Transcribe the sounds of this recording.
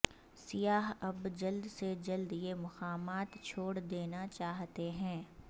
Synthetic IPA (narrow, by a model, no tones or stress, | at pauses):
sɪjaːɦɐbd͡ʒɐld̪sed͡ʒɐld̪jemʊqaːmaːt̪t͡ʃʰoːɽd̪eːnat͡ʃaːɦt̪eɦɛ̃ː